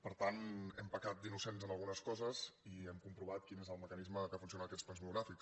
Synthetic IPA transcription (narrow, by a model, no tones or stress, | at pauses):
pəɾt̪anɛmpəkat̪̚d̪inusenzənəlˠɣunəskɔzəziɛmkumpɾuβ̞at̪̚kinezəlˠməkənizməkafuns̬ionəkɛtt͡ssplanzβiuɣɾafiks